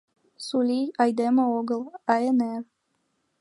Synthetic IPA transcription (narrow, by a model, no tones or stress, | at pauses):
sulʲiɑjd̪eməoɡəlˠaeneɾ